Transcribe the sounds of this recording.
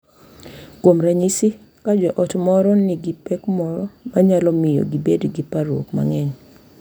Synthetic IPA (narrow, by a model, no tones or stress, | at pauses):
kwomɾaɲisi | kad͡ʒɔʔɔtmɔɾɔnɪɡipɛkmɔɾɔmaɲalɔmɪjo̰ɡibedɡipaɾwo̰kma̰ŋɛɲ